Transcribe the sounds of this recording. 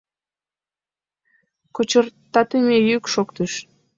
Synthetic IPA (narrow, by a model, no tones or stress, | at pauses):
kot͡ɕərt̪ɑt̪əmejykʃokt̪əʃ